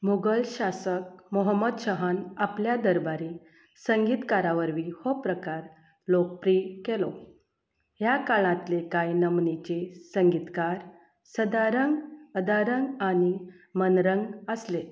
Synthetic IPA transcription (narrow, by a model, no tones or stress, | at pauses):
muɡəlɕasək̚moɦəmːəd̪ɕəɦanapljad̪əɾbaɾi | səŋɡiːt̪kaɾaʋəɾʋihopɾəkaɾ | lok̚pɾiːkelo | ɦjakaɭãt̪lekajnəmnit͡ɕesəŋɡit̪kaɾ | səd̪aɾəŋɡəd̪aɾəŋɡani | mənɾəŋɡəsle